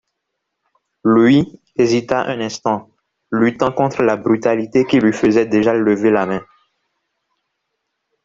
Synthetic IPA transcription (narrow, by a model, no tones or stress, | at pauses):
lwi | ezit̪aʔɛ̰̃nɛ̃st̪ɑ̃ | lyt̪ɑ̃kɔ̃t̪χəlabʁyt̪alit̪ekilɥifəzɛd̪eʒaləvelamɛ̃